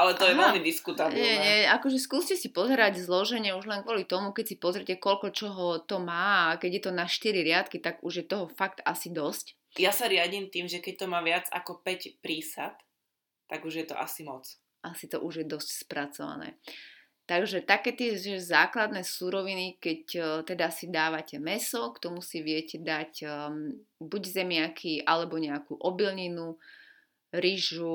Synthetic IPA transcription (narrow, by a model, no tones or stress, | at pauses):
ʔalɛt̪ɔjɛɛlmid̪iskut̪abɲɛɲɛakɔʒɛskuːscɛsipɔzɛɾaɟzlɔʒɛɲɛuʒlɛnkʋʊɔlit̪ɔmukɛcsipɔzɾcɛkɔlkɔt͡ʃɔɦɔt̪ɔmaːakɛɟjɛt̪ɔnaʃt̪iɾiɾɪat̪kit̪aɡuʒjɛt̪ɔɦɔfakt̪asid̪ɔsc | jasaɾɪaɟiːmt̪iːmʒɛkɛc̚t̪ɔmaːʋɪad͡za̰kɔpɛcpɾiːsat̪ː | aɡuʒjɛt̪ɔ̰ʔa̰simɔt͡s | ʔasit̪ɔʔuʒjɛd̪ɔscspɾat͡sɔʋa̰nɛ̰ː | t̪aɡʒɛt̪akɛːt̪ɪɛɛzaːklad̪nɛːsuɾɔʋinikɛct̪ɛd̪asid̪aːʋacɛmɛsɔkt̪ɔmusiʋɪɛcɛd̪ac | buɟzɛmɪakʰiʔalɛbɔɲɛakuʔɔbilɲinu | ɾiʒu